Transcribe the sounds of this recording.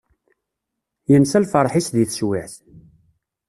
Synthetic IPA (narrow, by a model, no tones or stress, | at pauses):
jənsælfəɾˤħisðiθswɪħθ